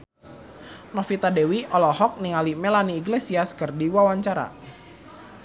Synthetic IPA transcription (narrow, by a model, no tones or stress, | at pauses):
nɔfit̪adewiɔlɔhɔk̚niŋalimɛlaniːɡlesiaskərdiwawaɲt͡ʃaɾa̰